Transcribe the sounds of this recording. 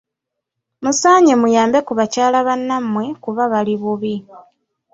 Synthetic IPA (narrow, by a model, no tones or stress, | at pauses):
musaːɲemujaːmbe̞kuβacaːlaβanːamwe̞kuβaβaliβuβi